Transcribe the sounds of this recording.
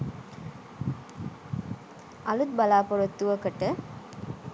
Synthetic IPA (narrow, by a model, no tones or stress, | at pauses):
ɐlut̪̚bɐlaːpoɾot̪ːuʋɐkɐʈːə